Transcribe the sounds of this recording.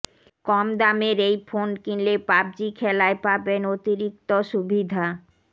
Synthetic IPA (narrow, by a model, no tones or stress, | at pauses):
kɔmd̪ameɾejfonkinlepab̚d͡ʑikʰɛlaepabenot̪iɾik̚t̪oʃubʱid̪ʱa